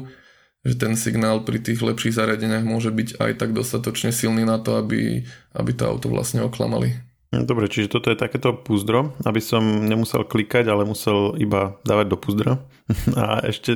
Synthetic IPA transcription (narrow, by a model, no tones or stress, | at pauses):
ʒɛt̪ɛnsiɡnaːlpɾit̪iːɣlɛpʃiːɣzaɾɪaɟɛɲɪaɣmʊɔʒɛbiɟa̰jt̪aɡ̚d̪ɔst̪at̪ɔt͡ʃɲɛsilniːnat̪ɔabḭʔa̰bit̪ɔ̰a̰ʊt̪ɔʋla̰sɲɛɔkla̰ma̰lḭ | d̪ɔbɾɛt͡ʃiʒɛt̪ɔt̪ɔjɛt̪akɛːt̪ɔpuzd̪ɾɔabisɔmɲɛmusɛ̰lklikaɟalɛmusɛlibad̪aːʋaɟ̚d̪ɔpuzd̪ɾa | a̰ɛ̰ʃcɛ